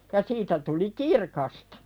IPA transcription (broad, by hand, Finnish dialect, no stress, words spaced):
jɑ siːtæ tuli kirkɑstɑ̥